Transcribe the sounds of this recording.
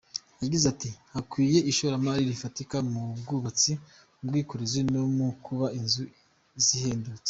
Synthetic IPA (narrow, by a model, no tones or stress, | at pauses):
jaɟizatihakwiːje̞iʃoɾamaɾiɾifatikamubɡuβat͡si | bɡwiːkoɾezinomukʰuβainzu | ziheːndut͡se̥